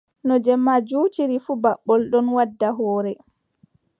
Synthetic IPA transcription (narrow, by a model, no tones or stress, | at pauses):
nɔd͡ʒɛmːad͡ʒuːtiɾifubaɓːɔlɗɔnwadːaɦɔːɾɛ